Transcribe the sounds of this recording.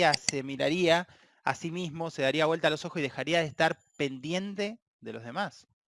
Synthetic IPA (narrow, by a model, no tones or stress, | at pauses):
ase̞miɾaɾia | a̰simizmo̞se̞ðaɾiaβwelt̪alo̞so̞xosiðe̞xaɾiaðehst̪aɾ | pe̞nd̪je̞nt̪e̞ | ðe̞lo̞zð̞emas